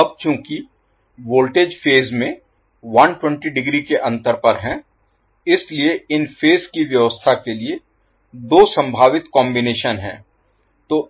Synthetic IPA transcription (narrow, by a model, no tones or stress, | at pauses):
ɐb̚t͡ʃjõːki | ʋoːlʈeːd͡ʒfʰeːzmẽ | ʋɐnʈwɛ̃ɳʈiɖɪɡɾikeʔɐ̃nt̪əɾpɐɾɦɛ̃ː | ɪslieɪnfʰeːzkiʋjɐʋəst̪ʰakelie | d̪oːsɐ̃mbʱaːʋɪt̪kɔ̃ːmbɪneːʃənɦɛ̰̃ː | t̪oː